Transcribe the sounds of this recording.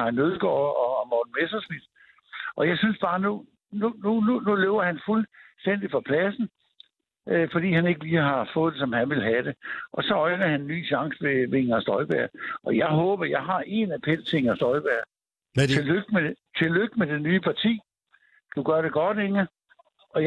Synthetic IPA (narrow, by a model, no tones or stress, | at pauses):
ɑænøðˠɡ̥ɒ̰ːɒmɒːd̥n̩mesɐsmid̥ | ʔɒ̽jɑ̈ɪsynsb̥ɑ̈ːnu | nunununuleʊɐhænfulsd̥en̰d̥ifɒ̽pʰlæsn̩ | øfɒd̥ḭːɦæne̝ɡ̥əliːɦɑ̈fɔ̽ːð̩̥ˠe̝sɒ̽mhænʋe̝lɦæd̥e̝ʔɒ̽sɒ̽ɒ̽ɪnɐhænnːy̰ːɕɑ̈ŋsəʋe̝ʋe̝ŋɐsd̥ɒ̽ɪb̥æɐ̰ʔɒ̽jɑ̈ɪɦɔːb̥ɐjɑ̈ɪɦɑ̈ʔe̝næpʰen̰t͡sʰe̝ŋɐsd̥ɒ̽ɪb̥æɐ | eløɡ̥̚met͡sʰe̝lːøɡ̥̚med̥e̝nyːəpʰɑ̈t͡sʰḭː | d̥uɡ̥ɶɐɾe̝ɡ̥ɒ̽d̥eŋə | ʔɒ̽j